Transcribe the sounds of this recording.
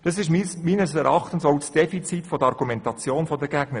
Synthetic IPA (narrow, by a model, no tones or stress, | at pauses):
d̥ɑsɪʃmsmiːnəsɛɾʔɑχtən̩soʊsd̥ɛfit͡sitfɔdəɑɾɡumɛntɑt͡sjoːnfɔdəɡæɡ̥nə